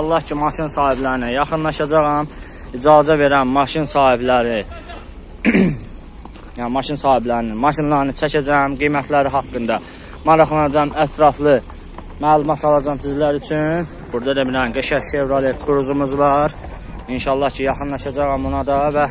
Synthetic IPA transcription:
ʃɑlˠːɑhcʰimɑʃinsɑːhiblæɾinæjɑχɯnlˠɑʃɑd͡ʒɑɣɑm | id͡ʒɑːzæve̞ɾænːɑʃinsɑːhiblæɾi | jænmɑʃinsɑːhiblæɾinimɑʃinlˠɑɾnɯt͡ʃʰæcæd͡ʒæjæmɡijmæt̪ʰlæɾiɦɑkːɯnd̪ɑ | mɑɾɑχlˠɑnɑd͡ʒɑmæt̪ʰɾɑflˠɯ | mæːlˠumɑt̪ʰɑlˠɑd͡ʒɑmsizlæɾyt͡ʃʰyn | b̥uɾd̪ɑd̪ebiɾænɡeʃæsevɾɑlˠikʰuɾuzumuzvɑɾ | inʃɑlˠːɑhcʰijɑχɯnlˠɑʃɑd͡ʒɑʁɑmonɑd̪ɑvæ

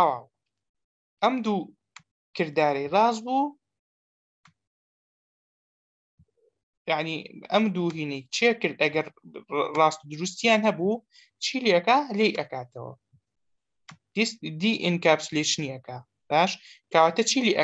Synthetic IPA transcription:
awa̰ː | ʔɐmd̪u | kʰɨɾd̪aːɾɐjrɑːzbuː | jaʕniɐmd̪uːɦiːnɐjt͡ʃʰiekɨɾd̪ʔɐɡɐɾrɑːst̪ud̪ʊɾust̪ijaːnhɐbu | t͡ʃʰiːliɐkaːlejʔɐkaːt̪ʰɐwɐ̰ | d̪id̪iʔɨnkaːbsuleʃniʔɐkaː | b̥aːʃkaːwaːt̪ɐt͡ʃʰiːliʔɐ

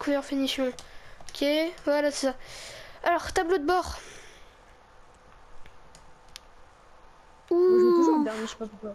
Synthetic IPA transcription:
kʰuʁfenisjɔ̃okʲʰevwalasesaalɔʁt̪ablod̪əbɔʁ | udɛiʃe̥papuka

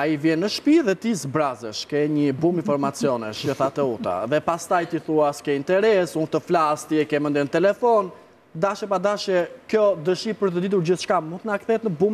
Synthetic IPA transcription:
aivjɛnːəʃpiðɛt̪izbɾazəʃkɛɲəbuminfɔɾmat͡siɔnɛʃəθat̪ɛut̪a̰ðɛpast̪ajt̪iθuaskɛint̪ɛɾɛsunt̪əflast̪iɛkɛmənd̪ɛnt̪ɛlɛfɔn | d̪aʃɛpad̪aʃɛkjɔd̪əʃipəɾt̪əd̪it̪̬uɾd͡ʑiθʃkamunt̪ənakθɛt̪nəbum

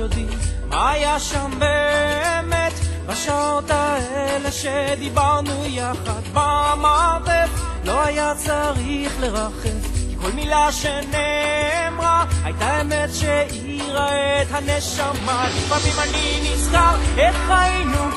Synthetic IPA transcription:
od̪imma̰ːjaʃambe̞met̪baʃaot̪aeleʃed̪ibaʁnujaχad̪bamaveflo̞ajat͡saʁiχle̞ʁaχevkiko̞lmilaʃenemʁaajt̪aemet̪ʃei | ʁaet̪haneʃamalibavimaninisχaeχʁainu

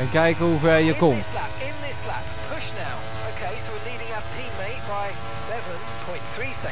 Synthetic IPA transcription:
ə̃nɡaɪɡəvɛjəɡɔ̃nlapɪ̃nðɪsla̰p̚pʰʊʃnaʊ | əʊkʰeɪswɪliːɾɪ̃ŋətʰĩːmeɪʔ̚b̥aɪ | sɛvə̃npʰɔ̃ɪ̃nθɹiːsɪ

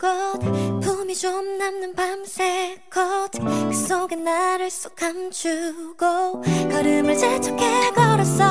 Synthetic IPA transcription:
kʌdepʰomit͡ɕomnanːɯnpamsʰekk͈ʌd̪ekɯs͈oɡenːaɾɯɭs͈o̥k͈ʰamt͡ɕʰuɡ̥okaɾɯmɯɭt͡ɕet͡ɕʰokʰekʌɾʌs͈ʌ

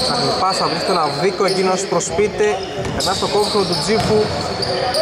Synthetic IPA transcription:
ɐkɾipɐsɐvɾist̪enɐvðikoecinoɐspɾospit̪e | enɐst̪okoksot̪ud͡zipu

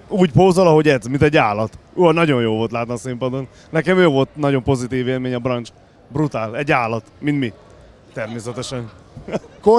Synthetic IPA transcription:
uːɟpoːzolɒɦo̞ɟɛzmint̪ɛɟːaːlɒt̪onɒɟo̞njoːlvo̞lt̪laːt̪nɒsimpɒd̪o̞n | nɛkɛmøːvo̞lt̪nɒɟo̞mpo̞zit̪iːveːlmeːɲɒbrɒnt͡ʃ | brut̪aːlɛɟːaːlɒt̪mint̪mi | t̪ɛrmeːsɛt̪ɛʃɛn | ko

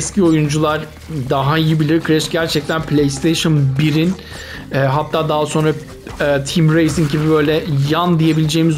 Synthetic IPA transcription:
scʰio̞jund͡ʒulˠaɾ | d̪aɦaijibilʲiɾkʰɾɛʃɟæɾt͡ʃʰɛc̚t̪ʰænpʰlʲejst̪ʰejʃɯnbiɾin | ɛːɦat̪ʰːaːd̪aɦaso̞nɾa | ɛt̪ʰimɾejsiŋɟibibø̞jlʲɛjand̪ije̞bilʲed͡ʒeːmiz

